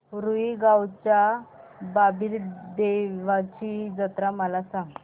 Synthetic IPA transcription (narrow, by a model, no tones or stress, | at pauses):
ɾuiɡawt͡ɕjababiɾd̪eʋat͡ɕid͡zət̪ɾaməlasãŋɡ